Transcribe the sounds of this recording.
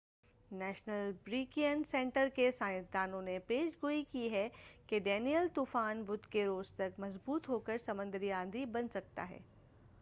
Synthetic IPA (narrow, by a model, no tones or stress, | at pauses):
nɛːʃnəlbɾiːkijənsẽːɳʈəɾkesãːɪ̃t̪̚d̪aːnõnepeːʃɡoːikiɦɛkeɖɛːnijəlt̪uːfaːnbʊd̪keɾoːzt̪ɐkmɐzbuːt̪ɦoːkəɾsɐmə̃nd̪ɾijãːnd̪ʱibɐnsɐk̚t̪a̰ɦɛ̰ː